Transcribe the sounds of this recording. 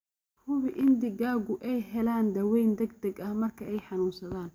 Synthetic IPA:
hʊβɪʔɪnd̪ɪɣaːɣʊʔɛjɦɛlaːnd̪ɐwɛjnd̪ɛɡ̚d̪ɐɡɐhmɐrkʰɐʔɛjħɑnuːnsɐðaːn

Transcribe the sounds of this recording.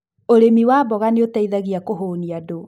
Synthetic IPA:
oɾemiwabɔɣaneotaiðaɣiakoɦoniado

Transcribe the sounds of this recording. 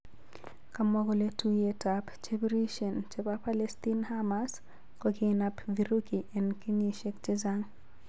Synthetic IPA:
kamɔɡɔletujetapt͡ʃebɾiʃɔnt͡ʃepapalɛstinhamas | kɔkɪnapviɾukiʔɛnkiniʃekt͡ʃɪzaŋ

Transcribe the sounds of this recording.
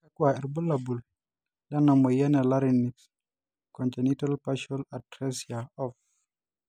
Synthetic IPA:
ɛkwaɛɾbulabul | danamojanɛlaɾinːiks | kɔntenitalpaʃɔlatɾɛsiaɔf

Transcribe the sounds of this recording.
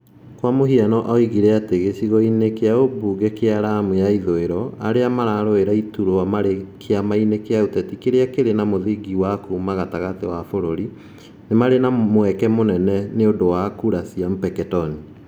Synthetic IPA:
kwamoɦianɔʔɔiɣiɾɛateɣeɕiɣɔinekeaobuːɡɛkeaɾamujaiðoeɾɔaɾeamaɾaɾoeɾaituɾoamaɾekʰeamainekeautɛtikeɾeakeɾenamoðiɡiwakumaɣataɣatewafoɾoɾi | nemaɾenamwɛkɛmonɛnɛneodowakuɾasiamupɛkɛtɔni

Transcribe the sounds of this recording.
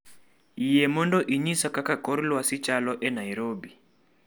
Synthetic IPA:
ijɛmɔndɔʔiɲisakakakɔɾilwasit͡ʃalɔʔɛnaiɾɔbi

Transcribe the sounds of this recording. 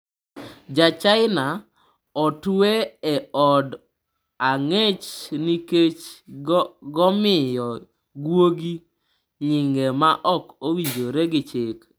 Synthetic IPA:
d͡ʒat͡ʃaɪna | ɔtweɛɔd | aŋet͡ʃniket͡ʃ | ɡɔmɪjɔ | ɡwoɡi | ɲɪŋɡɛmaʔɔkowiɲd͡ʒoɾeɡɪt͡ʃɪk

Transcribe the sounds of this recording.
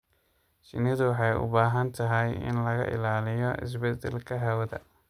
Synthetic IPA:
t͡ʃɪ̰nɪðʊwɑħɑjʔʊ̰baːɦɐnt̪ʰɐɦɛjɪ̰nlɐɣɐ̰ʔɪ̰laːlɪjɔʔɪ̰s̬bɛd̪ɛlkʰɐɦɐwɐðɐ̰

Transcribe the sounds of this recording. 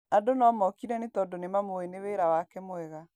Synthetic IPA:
adonɔːmɔkiɾɛnetɔdonemamoeneweɾawakɛmoɛɣa

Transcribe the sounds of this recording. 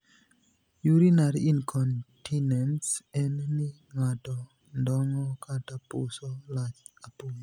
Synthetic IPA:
juɾinaɾiinkʰontʰinensenni | ŋado | ndɔŋokatapṵsolaapuɲi

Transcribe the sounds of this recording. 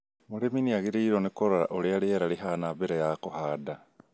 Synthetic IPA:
muleminiaɣiɾiːɾonikoɾoɾa̰ʔolialieɾaliɦanaβeɾejakohada

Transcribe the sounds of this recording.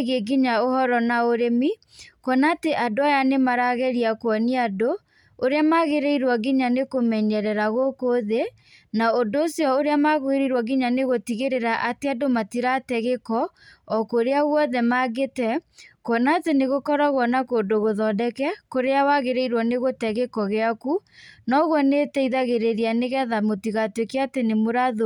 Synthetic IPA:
ɣeɡiɲaohɔɾɔnaoɾemi | kwɔnaːteʔadoajanemaɾaɣɛɾiakwɔniado | oɾeamaɣeɾeiɾwaɡiɲanekomɛɲɛɾɛɾaɣokoðe | naondoːsjɔoɾeamaɣweɾiɾwɔɡiɲaneɣotiɣeɾeɾaʔateadomatiɾatɛɣekɔ | ɔkoɾeaɣwɔðɛmaɣetɛkonaːteneɣokɔɾaɣwɔnakondoɣoðɔdɛkɛkoɾeawaɣeɾeiɾwɔneɣotɛɣekɔɣeakunɔɣwɔnetɛiðaɣeɾeɾianeɣɛðamotiɣatwekeatenemoɾaðo

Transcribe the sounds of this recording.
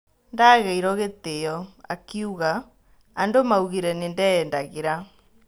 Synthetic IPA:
ndaɣɛiɾɔɣeteɔa̰kiuɣa | andomauɣiɾɛnendɛːndaɣeɾa

